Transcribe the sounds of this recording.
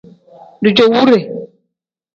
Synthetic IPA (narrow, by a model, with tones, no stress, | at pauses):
du˨d͡ʒo˨wu˦ɾe˨